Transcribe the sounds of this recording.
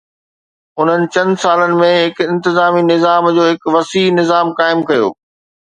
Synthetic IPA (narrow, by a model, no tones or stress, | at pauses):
ʊn̤ənɪ̆t͡ɕɐ̃nd̪saːlənɪ̆mẽɦɪkɪ̃nt̪ɪzaːminɪzaːmd͡ʑoːɦɪkʋɐsiːnɪzaːmkaːɪmkɐjo̰ː